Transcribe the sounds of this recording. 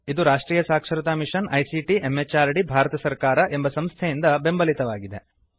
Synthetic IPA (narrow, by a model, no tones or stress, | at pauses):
id̪uɾaːʂʈɾiːjɐsaːkʂɐɾut̪aːmiʂɐnʔɐjsiʈiʔemːet͡ʃaːɾɽibʱaːɾɐt̪ɐsɐɾkaːɾɐʔe̞mbɐsɐmst̪ʰejind̪ɐbe̞mbɐlit̪ɐʋaːɡid̪e̞